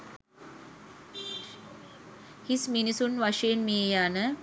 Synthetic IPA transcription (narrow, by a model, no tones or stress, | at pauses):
hisminisunʋaʂeenmiːjaːnə